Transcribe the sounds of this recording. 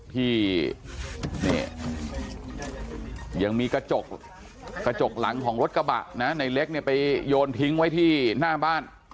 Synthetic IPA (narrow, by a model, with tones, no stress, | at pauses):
t̪ʰiː˥˩ | nḭː˧˥˩ | ja˨˩ŋmiː˧ka˧t͡ɕo˨˩k̚ | kːa˧t͡ɕo˨˩k̚la˩˦ŋkʰɔː˩˦ŋɾo˦˥t̪̚ka˧ba̰˨˩ʔna˦˥na˧jle˦˥k̚ni˥˩ɐpa˧jjoː˧npʰi˦˥ŋwa˦˥jt̪ʰiː˥˩naː˥˩baː˥˩n